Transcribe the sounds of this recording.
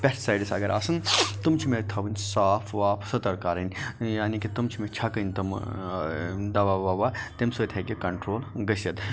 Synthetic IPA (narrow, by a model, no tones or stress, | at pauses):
pʲessaːjɖisɐ̰ɡɐɾʔaːsɨnt̪umt͡ʃʰimet̪ʰɐʋɨnʲsaːpʰʋaːpʰsɐt̪ɐɾkaɾɐnʲjaːnikit̪umt͡ʃʰimet͡ʃʰɐkɨnʲt̪ɐm | d̪ɐʋaʋaʋat̪emsoːt̪ʰekikɐɳʈɾoːlɡɐsɐt̪